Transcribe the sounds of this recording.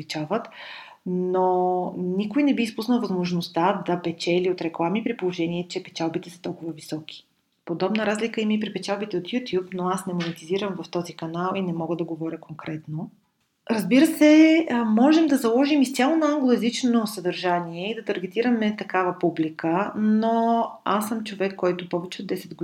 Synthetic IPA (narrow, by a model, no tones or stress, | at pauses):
lit͡ʃavət̪ | nonikojnɛbiispusnəlˠvɐzmoʒnost̪ad̪ɐpɛt͡ʃɛliot̪ɾɛklˠamipɾipolˠoʒɛniɛt͡ʃɛpɛt͡ʃalˠbit̪ɛsə̥t̪ɔlˠkʊvəvisɔk̟ʰi̥ | pod̪ɔbnəɾazlikəimipɾipɛt͡ʃalˠbit̪ɛot̪jut̪ʲjupnoasnɛmonɛt̪iziɾəmvɐft̪ɔzikɐnalˠinɛmɔɡəd̪ɐɡovɔɾʲəkoŋkɾɛt̪no | ɾɐzbiɾəsɛmɔʒɛmd̪ɐzɐlˠɔʒimist̪ʲjalˠonɐaŋɡlˠoɛzit͡ʃnonosəd̪ɐɾʒaniɛid̪ɐt̪ɐɾɡɛt̪iɾəmɛt̪ɐkavɐpublikənoasːəmt͡ʃovɛkːɔjt̪ʊpɔvɛt͡ʃɛod̪ːɛsɛd̪̚ɡ